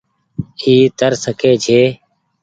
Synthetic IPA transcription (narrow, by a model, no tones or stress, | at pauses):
iːt̪əɾsəkʰeːt͡ʃʰeː